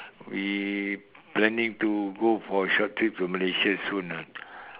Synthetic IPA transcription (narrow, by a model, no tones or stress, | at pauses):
wi | plɛ̃nĩŋtuɡofɔʃɔt̚tːɹip̚suməleʃəsũnan